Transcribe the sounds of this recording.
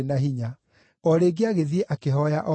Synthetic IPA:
naɦiɲa | ɔɾeɡeaɣeðieʔakeɦɔjaʔɔ

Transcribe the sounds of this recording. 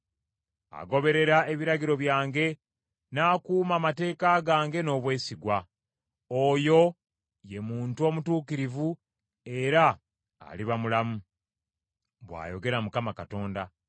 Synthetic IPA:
a̰ɡo̞βe̞ɾe̞ɾae̞βiɾaɡiɾo̞βjaːŋɡe̞ | naːkuːmaːmate̞ːkaɡaːŋɡe̞no̞ːβwe̞ːsiɡwa | oːjo̞ | je̞muːntuo̞mutuːkiɾivu | e̞ɾa̰ː | liβamulamu | βwa̰ːjo̞ɡe̞ɾamukamakato̞ːnda

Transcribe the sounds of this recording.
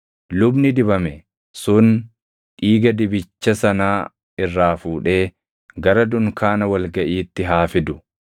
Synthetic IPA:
lʊbnɪd̪ɪbɐmɛ | sʊn | ᶑiːɡɐd̪ɪbɪt͡ʃːɐsɐnaː | ɪrːaːfuːᶑe̞ː | ɡɐɾɐd̪ʊŋkaːnɐwɐlɡɐʔiːt̪ːɪɦaːfɪd̪ʊ

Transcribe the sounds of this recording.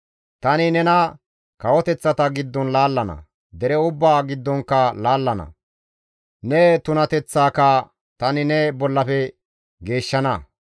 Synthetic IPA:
t̪ɐnɪnɛnɐ | kɐwɔt̪ɛt͡sːɐt̪ɐɡɪd̪ːɔnlaːlːɐnɐ̰ | d̪ɛɾɛʊbːaːɡɪd̪ːɔŋkːɐlaːlːɐnɐ̰ | nɛt̪ʊnɐt̪ɛt͡sːaːkɐ | t̪ɐnɪnɛbɔlːɐfɛ | ɡe̞ːʃːɐnɐ

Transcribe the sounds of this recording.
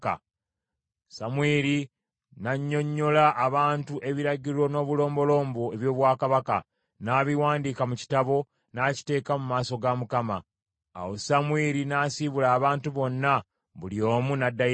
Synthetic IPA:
a̰ | samweːɾi | naɲːo̞ɲːo̞laʔːβaːntuʔe̞βiɾaɟiɾo̞no̞ːβulo̞ːmbo̞lo̞ːmbo̞e̞βjo̞ːβwaːkaβaka̰ | naːβiwaːndiːkamuci̥taβo̞ | naːci̥te̞ːkamumaːso̞ɡamukama̰ː | wo̞samweːɾinasiβulaːβaːntuβo̞nːa | βuljo̞ːmunadːa

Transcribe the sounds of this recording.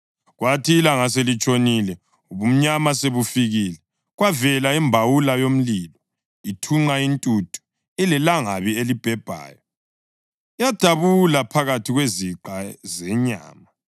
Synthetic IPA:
ɣwatʰiːlaŋaselit͡ʃʼonilɛ | uβum̩ɲamaseβufiɣilɛ | ɣwavɛlaimbʱawulajom̩liːlɔ | itʰuŋ͡ǀaintʼutʰʼu̥ | ilɛlaŋaβielib̥ʱɛb̥ʱa̰ːjɔ | jad̥ʱaβulapʰaɣatʰiɣweziǃazɛɲa̰ːma

